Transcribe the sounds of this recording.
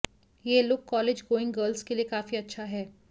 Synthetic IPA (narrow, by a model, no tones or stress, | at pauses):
jelʊːkːɔːleːd͡ʒɡoːɪ̃ŋɡɡəːɾlskeliekaːfiɐtːʃʰaɦɛː